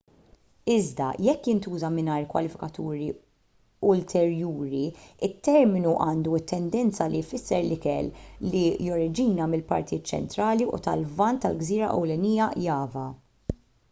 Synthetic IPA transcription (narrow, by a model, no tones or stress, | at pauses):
ɪzd̪ɐ̰jɛkːjɪnt̪uːzɐmɪnɐjɾkwɐ̰lɪfɪ̥kɐt̪uːɾi | ʊlt̪ʰɛɾjuːɾiɪt̪ːɛɾmɪnuʔɐːnd̪uɪt̪ːɛnd̪ɛnt͡sɐlifɪsːɛɾlɪkɛlːijɔɾɪd͡ʒiːnɐmɪlpɐ̰ɾt̪ijɪːt̪ːt͡ʃɛ̰nt̪ɾɐːliṵt̪ɐlvɐnt̪ːɐ̰lɡziːɾɐʔɛ̰wlɛniːjɐjɐːvɐ